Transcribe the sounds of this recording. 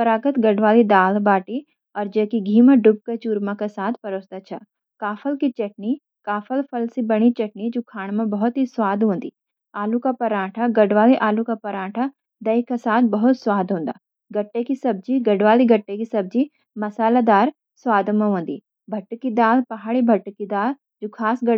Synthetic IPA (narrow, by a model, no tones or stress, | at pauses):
pɐɾaːɡət̪ɡɐɖʋaːlid̪aːlbaːʈi | ɔːɾd͡ʒɐːkiɡʱiːmaɖʊp̚ket͡ʃuːɾmãkasaːt̪ʰpɐɾoːsd̪at͡ʃʰa | kaːfʰəlkit͡ʃɐʈ̚ni | kaːfəlpʰɐlsibɐɽ̃it͡ʃɐʈnid͡ʒoːkʰaːɽ̃mãbɐɦʊt̪ɦiswaːd̪ʱɦõːnd̪ḭː | aːlukapɐɾaːʈʰaɡɐɖʋaːliʔaːlukapɐɾaːʈʰa | d̪ɐjkasaːt̪ʰbɐɦʊt̪swaːd̪ʱɦõːnd̪a̰ː | ɡɐʈːekisɐb̚d͡ʒiɡɐɖʋaːliɡʱɐʈːekisɐb̚d͡ʒi | mɐsaːlad̪aːɾ | swaːd̪mãɦõːnd̪ḭː | bʱɐʈːkid̪aːlpɐɦaːɽibʱɐʈːkid̪aːl | d͡ʒoːkʰaːsɡɐ